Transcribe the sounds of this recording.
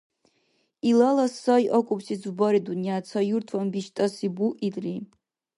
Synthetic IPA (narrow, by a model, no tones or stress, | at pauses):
ilalasajʔakʷʼupsid͡zbaɾidunjat͡sʰajurtʰwambiʃtʼasibuʔidʼri